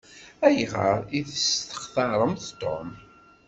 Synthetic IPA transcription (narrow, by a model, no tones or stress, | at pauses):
æjʁə̰ɾˤiθəst̪ə̥χθɑɾˤəmθt̪o̰m